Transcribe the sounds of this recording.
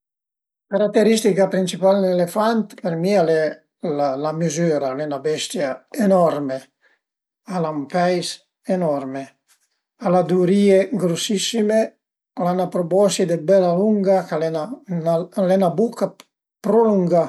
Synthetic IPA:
kaɾak̚t̪ːeɾist̪ikapɾint͡ʃipalnelefant̪peɾmialɛ | lalamizyːɾalenabɛst̪jaenɔrme | alampɛjs | enɔɾme | alad̪uɾiːeɡɾosisːime | lanapɾobɔsid̪ebɛlaluŋɡakalɛnanalɛnabuka | pɾoluŋɡa

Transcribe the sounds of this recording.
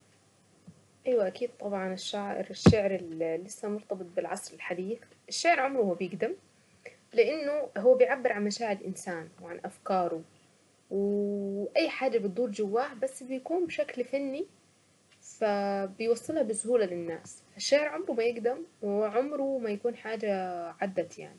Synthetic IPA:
ʔajwaʔakiːd̪̚t̪ˤɑbʕɑnɪʃːaːʔɪ̰ɾɪʃːaʕɾɪllːɪsːamʊɾt̪ɑbɨt̪̚ˤbɪlʕɑ̰sˤɾɪlħad̪iːf | ʔɪʃːaːʕɪɾʕʊmɾuhʊːabjɪɡd̪am | lɪʔɪnːʊɦʊwːabɪjʕabːɪɾʕanmaʃaːʕɪɾɪlʔɪ̰nsaːnwʕanʔafkɑːɾˤʊ | wʔajːħaːd͡ʒabɨt̪̚d̪ˤuːɾd͡ʒawːaːħbasːbɪjakuːnbɪʃaklfanːi | fabɪjwɑsˤːɨlhɑbɪsʊhuːlalɪnːa̰ːsʔaʃːaʕɪɾʕʊmɾumajɪɡd̪amwɪʕʊmɾumajakuːnħaːd͡ʒaʕad̪ːaja̰ʕni

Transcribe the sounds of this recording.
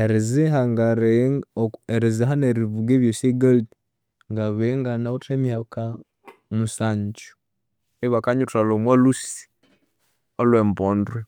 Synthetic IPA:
eɾiziɦaŋɡaɾe | eɾiziɦaneɾivuɡeβjoseɡali | ŋɡaβeŋɡanautemjaka | musaɲt͡ʃu̥ | eβakaɲutalomwalusi̥ | olwembondwe

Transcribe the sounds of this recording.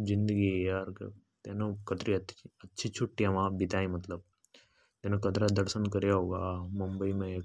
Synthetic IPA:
zind̪əɡijaɾk | t̪enəkət̪ɾiɐt̪ətːɕʰit͡ɕʰuʈːiaʋãbit̪aːĩmɐt̪ləb̚ | t̪enəkət̪ɾad̪əɾsənkəɾjaɦoːɡamumbəimẽ

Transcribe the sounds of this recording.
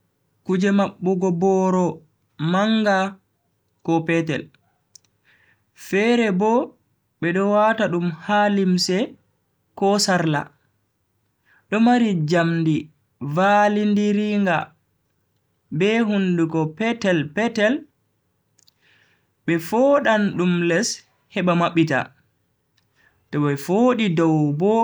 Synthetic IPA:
kud͡ʒɛmaɓːuɡɔbɔɾɔ | maŋɡa | kɔpɛtɛ̰l | fɛɾɛbɔ | ɓɛɗɔwataɗumhalimsɛ | kɔsaɾla̰ | ɗɔmaɾid͡ʒamndi | valindiɾiŋɡa | bɛɦundukɔpɛtɛlpɛtɛl | ɓɛfoɗanɗumlɛs | hɛɓamaɓːita̰ | tɔɓɛfoɗidɔwbɔ

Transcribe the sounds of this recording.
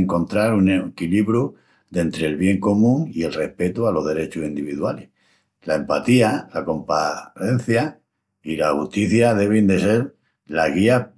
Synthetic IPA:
ŋko̞nt̪ɾaɾunekiliβɾu | d̪e̞nt̪ɾe̞ːlβje̞ŋko̞mũŋie̞lre̞hpe̞t̪ualo̞ɦðe̞ɾe̞t͡ʃusind̪iβiðwale | lae̞mpat̪ialako̞mpae̞n̟θja | ilahuht̪iθjaðe̞β̞end̪e̞se̞ɾ | laɦɣia

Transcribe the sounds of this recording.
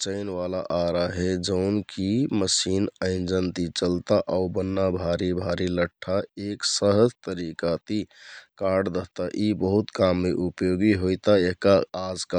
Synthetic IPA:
t͡ʃəɪnʋalaʔaɾaɦed͡ʒəʊnkiməsinəɪnd͡ʒənt̪it͡ʃəlt̪aʔaubənːabʱaɾibʱaɾiləʈʰːaeksəɦədt̪əɾikat̪ikaɖd̪əɦt̪aʔibəɦut̪kamːeʔupjoɡiɦojt̪aeɦkaad͡ʒka

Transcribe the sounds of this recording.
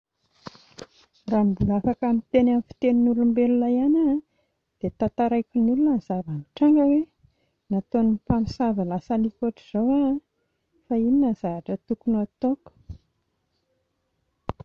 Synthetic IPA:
raːmbulafakamit̪enamfi̥t̪eninuɾumbelulajana | d̪̥et̪at̪aɾajkʲinulunəzavamiʈ͡ʂaŋɡəwe | nat̪onumpamisavalasalikoʈ͡ʂiz̥owa | faininaz̥aaʈ͡ʂət̪ukunoat̪oku̥

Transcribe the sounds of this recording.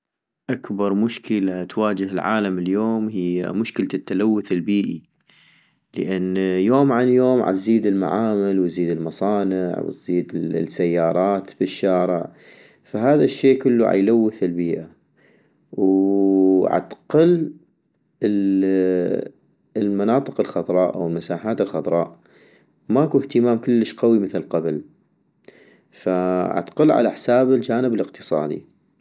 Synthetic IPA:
ʔakbɑɾˤmʊʃkəlat̪waːd͡ʒɪɦɪlʕa̰ːlamɪljoːmhɪjːa̰mʊʃkɪlt̪ːalawːʊθɪlbiːʔi | ləʔanːjoːmʕanjoːmʕa̰ziːd̪ɪlma̰ʕaːmalwziːd̪ɪlmɑsˤɑːnɪʕwɪ̰t̪z̥iːd̪sajːɑːɾˤɑːt̪b̥ɪʃːaːɾɪ̰ʕ | faɦaːðaʃːeːkʊlːuʕa̰jlawːɪθɪlbiːʔa | w | ʕa̰t̪qəl | lmanɑːt̪ˤɨqɪlxɑðˤɾˤɑːʔʔa̰wəlmasaːħaːt̪ɪlxɑðˤɾˤɑːʔ | maʔakuht̪əmaːmkʊlːəʃqawiməθlqɑbl | faʕa̰t̪qəlʕa̰laħsaːbɪld͡ʒaːnəbɪlɪqt̪ɨ̥sˤɑ̰ːd̪ḭ

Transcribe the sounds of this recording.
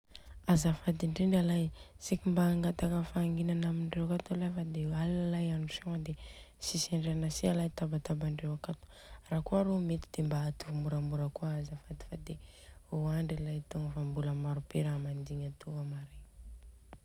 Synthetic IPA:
azafad̪iɳɖ͡ʐiɳɖ͡ʐalajsikimbaːŋɡat̪akəfaːŋɡinanamiɳɖ͡ʐewakat̪olafəd̪eallalajanusoŋəd̪e | siseɳɖ͡ʐeanasialajt̪abat̪abaɳɖ͡ʐewakat̪o̥ | rakuaɾomet̪id̪̥embaːt̪uvumuɾamuɾəkuaazafat̪i̥fad̪eoaɳɖ͡ʐilajt̪oŋɡəfambuləmaɾupeɾamand̪iɲat̪uamaɾe

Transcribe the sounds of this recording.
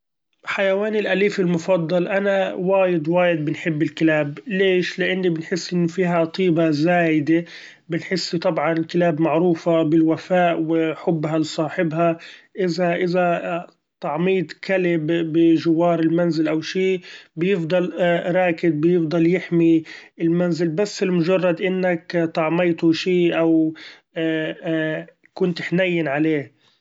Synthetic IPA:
ħajawaːnɪlʔaliːfɪlmʊfɑd̪ˤːɑlʔanawaːjɪd̪waːjɪd̪̚bɪnħɪbːɪlkɪlaːbleːʃlɪʔɪnːibɪnħɪsːʔɪnːʊfiːɦat̪ˤiːbazaːjɪd̪e | bɪnħɪsːt̪ˤɑbʕɑnɪlkɪlaːbmaʕɾuːfabɪlwafaːʔwɪħʊbːɦalsˤɑːħɪbɦaʔɪzaʔɪza | t̪ɑʕmiːt̪kalɪbːɪʒɪwːɑːɾˤɪlmanzɪlʔawʃiːbjɪfd̪ˤɑlɾˤɑːkɪd̪̚bjɪfd̪ˤɑljɪħmiɪlmanzɪlbasːɪlmʊʒɑrˤːɑd̪ʔɪnːakt̪ˤɑʕmɑjt̪uʃiːʔaw | kʊnt̪ħnajːɪnʕaleː

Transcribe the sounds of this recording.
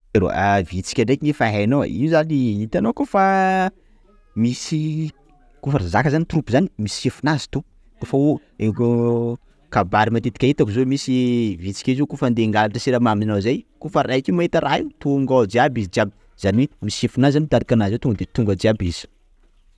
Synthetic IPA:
eɾo̰avit͡si̥kʲaɳɖ͡ʐekʲiɲifaɦano̰ḭzaniit̪anokufa | misi | kufəɾazakəzanit̪urupuzanimisi̥sefunazi̥t̪u | kufau | eku | kabaɾimat̪et̪i̥kʲait̪akuzomisivit͡si̥kʲizikufand̪eŋɡalaʈ͡ʂəsiɾamaminawzajkufərajkʲiumaet̪aɾait̪uŋɡad͡ʒiabizid͡ʒiabi̥ | z̥aniwemisefunazanit̪aɾikanazewt̪uŋɡəd̪et̪uŋɡəd͡ʒiabiz̥i̥

